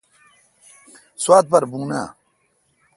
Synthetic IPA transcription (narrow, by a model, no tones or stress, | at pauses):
swaːt̪̚pɐɾbuːna̰ː